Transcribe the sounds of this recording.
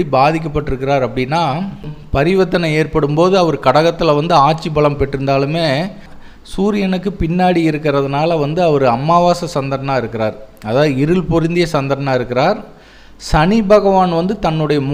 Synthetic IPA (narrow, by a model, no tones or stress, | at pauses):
ɽibaːðɪk̬ʲːɐp̬ːɐʈːɯɾɯkːɪɾaːɾɐpːɐɽɪnːaːpɐɾɪʋɐt̪ːɐnɐeːɾpɐɽɯmpoːðɯɐʋɐɾɯkɐɽɐɣɐt̪ːɪlɐʋɐnd̪ɯaːʈ̚t͡ʃːibɐɭɐmpɛʈːɾɯnd̪aːlɯmeː | suːɾɪjɐnɯkːɯpɪnːaːɽiɪɾɯkːɪɾɐðɐnaːlɐʋɐnd̪ɯɐʋɐɾɯɐmːaːʋaːsɐsɐnd̪ɐɾɐɳaːɪɾɯkːɪɾaːɾɐðaːðɯɪɾɯlpɔɾɪnd̪ɪjɐsɐnd̪ɐɾɐnaːɪɾɯkːɪɾaːɾ | sɐnɪbɐɣɐʋaːnʋɐnd̪ɯt̪ɐnːɯɽɐjɐm